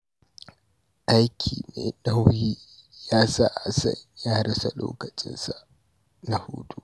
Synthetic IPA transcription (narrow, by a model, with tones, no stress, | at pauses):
ʔa˦jkʲʰḭː˨neː˨nɐ˦wjiː˦jaː˦saː˦˨ʔa˨sɐ̰˦˨njaː˦ɽɐ˦sa˨lo̰ː˦kɐ˨t͡ʃʼɪ˦nsa˨ | na˨huː˦tʼu˦